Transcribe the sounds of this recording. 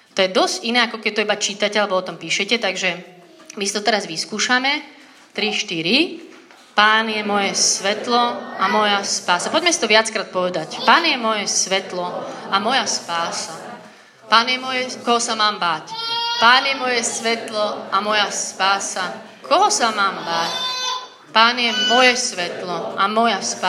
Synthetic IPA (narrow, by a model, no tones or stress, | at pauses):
t̪ɔjɛd̪ɔzɟinɛːakɔkɛɟ̚t̪ɔibat͡ʃit̪acɛalɛbɔɔt̪ɔmpiːʃɛcɛt̪aɡʒɛ | misit̪ɔt̪ɛɾazʋiskuːʃamɛ | t̪ɾiʃt̪iɾi | paːnjɛmɔjɛsʋɛt̪lɔamɔjaspaːsapɔɟmɛsit̪ɔʋɪat͡skɾaːt̪̚pɔʋɛd̪acpaːnjɛmɔjɛsʋɛt̪lɔamɔjaspaːsa | paːnjɛmɔjɛkɔɦɔsamaːmbaːcpaːnjɛmɔjɛsʋɛt̪lɔamɔjaspaːsa | kʰɔɦɔsamaːmbaːc | paːnɪjɛmɔjɛsʋɛt̪lɔʔamɔjaspa